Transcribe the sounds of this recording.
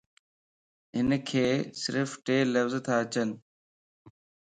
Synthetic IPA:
ɦɪnkʰeːsɪɾfʈeːləfzt̪ʰaɐt͡ɕənɪ̆

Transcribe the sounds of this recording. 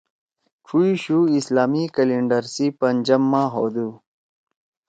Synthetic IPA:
ʈ͡ʂʰuiɕuislaːmikɐliɳɖəɾsipɐnd͡ʑɐmːãːɦod̪u

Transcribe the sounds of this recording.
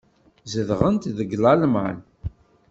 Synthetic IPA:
zəðʁənt̪ðəɡlˤɑlmʕa̰n

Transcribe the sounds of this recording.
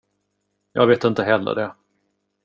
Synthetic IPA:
jɑ̰ːɡveːt̪ɪnt̪əɦɛlːə̰d̪ɛ

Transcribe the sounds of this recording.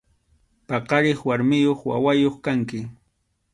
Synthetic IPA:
pɑqɑɾɪχwaɾmɪjoχwa̰wajoχkaŋkɪ

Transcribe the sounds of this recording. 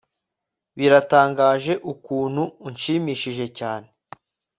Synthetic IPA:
βiɾataːŋɡaːʒe̞ʔukuːnhunʃiːmiːʃiʒe̞caːn̞e

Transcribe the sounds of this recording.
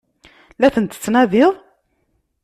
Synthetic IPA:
læθənt̪ə̥t͡sːnæðɪðˤ

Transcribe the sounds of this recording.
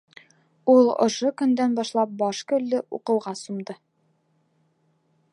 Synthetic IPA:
ulˠŏ̰ʃokɵ̆nd̪ænbɒʃlˠɑp̚bɒʃkɵ̆lːɘʔṵqɤ̆wʁɑsumd̪ɤ

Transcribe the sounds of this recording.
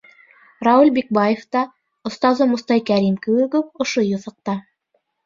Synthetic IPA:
rɑulʲbik̚bɑjeft̪ɑ | ŏst̪ɑzɤmust̪ɑjkæɾimkɘ̆wɘ̆kɵp̚ŏʃojŏθɑ̆q̚t̪ɑ

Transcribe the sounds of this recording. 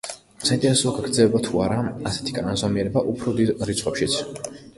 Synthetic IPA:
saint̪ʼɛɾɛsuaɡaɡɾd̪zɛlɛbat̪ʰuaɾaasɛ̥t̪ʰi̥kʼananzɔmiɛɾɛbaʔupʰɾɔd̪id̪ɾit̪sʰχwɛpʃit̪sʰ

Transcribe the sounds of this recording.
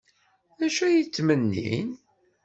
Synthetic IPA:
æʃæjit͡sːmənːḭn

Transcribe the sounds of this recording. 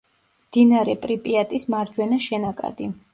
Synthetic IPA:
md̪̥inaɾɛpʼɾipʼiat̪ʼismaɾd͡ʒwɛnaʃɛnakʼa̰d̪̥i

